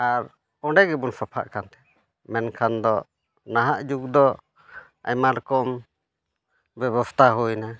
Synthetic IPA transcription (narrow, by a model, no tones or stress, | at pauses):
aɾ | ɔɖɛɡɛbunsapʰa̰ʔkʰant̪ɛ̥ | mɛnkʰand̪ɔ | naɦaʔd͡ʒuɡd̪ɔ | a̰jmaɾkɔm | bɛβɔst̪ʰaɦujna